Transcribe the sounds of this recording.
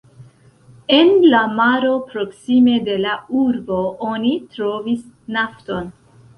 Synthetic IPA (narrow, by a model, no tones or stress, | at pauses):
e̞nlamaɾo̞pɾo̞ksime̞de̞lauɾbo̞ʔonitɾo̞vis | nafto̞n